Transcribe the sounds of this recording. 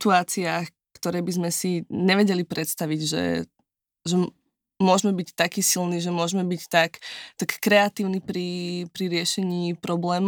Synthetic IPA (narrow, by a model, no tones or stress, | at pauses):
t̪uaːt͡siaːx | kt̪ɔɾɛːbizmɛsiɲɛʋɛɟɛlipɾɛt̪st̪aʋiɟʒɛ̰ | ʒɛ | mʊɔʒmɛbict̪akiːsilniʒɛmʊɔʒmɛbict̪akt̪akːɾɛat̪iːʊnipɾipɾiɾɪɛʃɛɲiːpɾɔblɛːm